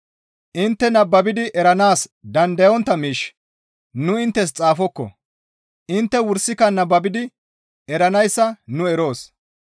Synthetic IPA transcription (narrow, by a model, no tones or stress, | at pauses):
ʔɪnt̪ːɛnɐbːɐbɪd̪ɪʔɛɾɐnaːsd̪ɐnd̪ɐjɔnt̪ːɐmiːʃ | nʊɪnt̪ːɛs̬t͡sʼaːfɔkːɔ̰ | ʔɪnt̪ːɛwʊɾsːɪkɐnɐbːɐbɪd̪ɪ | ɛɾɐnɐjsːɐnʊɛɾo̞ːs